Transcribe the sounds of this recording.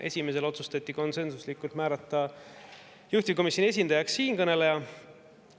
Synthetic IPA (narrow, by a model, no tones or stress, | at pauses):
ʔe̞̰sʲime̞s̬e̞lo̞t̪sust̪ɑt̪ʲːˑiko̞nse̞nsuslikːˑult̪mæːɾɑt̪ːˑɑ | juht̪ivko̞misʲjonie̞s̬ʲind̪̥ɑjɑksːiːnkɤne̞lejɑ